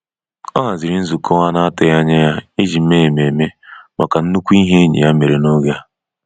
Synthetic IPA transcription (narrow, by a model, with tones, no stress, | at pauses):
ɔ˦ɦa˨zi˨ɾi˦n̩˦zu˨kʰɔ˦wa˦na˦a˦tʊ˨ja˦ɲe˦ja˦i˦d͡ʒi˨m̩˦me˦e˨me˨me˦ma˨ka˨n̩˦nu˦kʷu˦i˦ɦe˦ɲḭ˨ja˦me˨ɾe˨no˦ɣja˦